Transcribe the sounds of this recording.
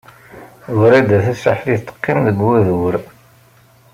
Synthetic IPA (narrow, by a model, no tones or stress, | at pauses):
wɾid̪æθæsa̰ħliθt̪ˤːə̥qːimðəɡwæðwəɾ